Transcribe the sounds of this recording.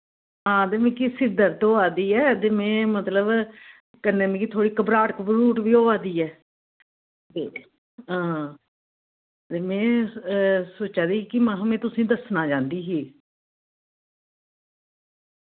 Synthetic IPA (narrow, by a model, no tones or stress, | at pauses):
ɦãːt̪eːmɛ̃ːkɪsɪd̪əɾt̪oːaːd̪iːɛːt̪eːmɛ̃ːmət̪ləb | kənːẽːmẽːkit̪ʰoːɽiːkəbɾaːʈəkbəluːʈʋiːoːaːd̪iːɛː | e | ɦãː | t̪eːmɛ̃ː | soːt͡ʃaːd̪iːkimãɦmẽːt̪ʊsĩːd̪əsnaːd͡ʒãːnd̪iːɦiː